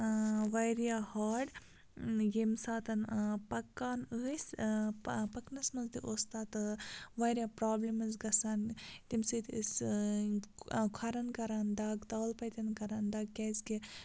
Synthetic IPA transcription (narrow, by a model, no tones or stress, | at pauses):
ʋɐjɾijaːhaːɖ | jimsaːt̪ɐnpɐkːaːnəːsʲ | pɐknɐsmɐzd̪iʔoːst̪aːt̪ɨʋɐːɾjaːpɾaːblimɐzɡɐsaːnt̪imsɨt̪ɨs | kʰɐɾɐnkɐɾaːnd̪aːɡt̪ɐːlpɐjt̪ʲɐnkɐɾaːnd̪ɐːɡ̚keːzke